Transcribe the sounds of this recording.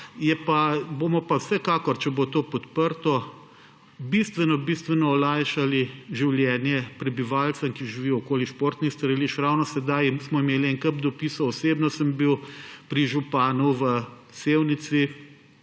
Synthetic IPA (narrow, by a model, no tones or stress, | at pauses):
jɛpabomɔpawsɛkaːkɔɾt͡ʃɛbot̪oːpɔt̪pəɾt̪ɔ | bist̪ʋɛnɔbist̪ʋɛnɔːlajʃaliʒiwljɛːnjɛpɾɛbiʋaːlt̪samkiʒiʋiɔɔkoːliʃpoːɾt̪nist̪ɐɾəliʃɾawnɔsɛd̪ajsmɔimeːliɛnkəp̚d̪ɔpiːsɔːseːbnɔsəmbiwpɾiʒupaːnuʋə | seːwnit̪si